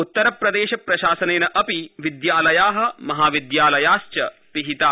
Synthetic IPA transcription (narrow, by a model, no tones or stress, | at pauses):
ut̪ːɐɾɐpɾɐd̪eːʃɐpɾɐʃaːsɐneːnɐʔɐpiʋid̪jaːlɐjaːɦɐ̆mɐɦaːʋid̪jaːlɐjaːst͡ʃɐ | piɦit̪aː